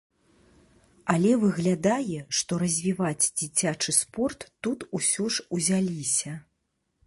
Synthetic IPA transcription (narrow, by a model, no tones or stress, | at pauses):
ɐlʲɛvɨɣlʲad̪ajɛʂt̪ɔɾɐzʲvʲivad͡zʲd͡zʲit͡sʲat͡ʂɨspɔrt̪ːut̪usʲɔʂuzʲalʲisʲɐ